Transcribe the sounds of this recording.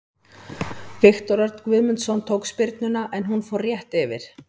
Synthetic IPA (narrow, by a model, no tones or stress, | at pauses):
vɪxt̪ɔɾœɾt̪nkvɪðmʏnt̪sɔnt̪ʰowkspɪɾt̪nʏnaʔɛnɦunfowrjɛht̪ɛvɪ̰ɾ̥